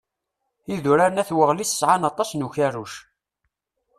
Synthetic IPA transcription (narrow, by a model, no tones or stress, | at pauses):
iðuɾaɾnæθwəʁlisə̥sʕanɑt̪ˤːɑsnuçaruʃ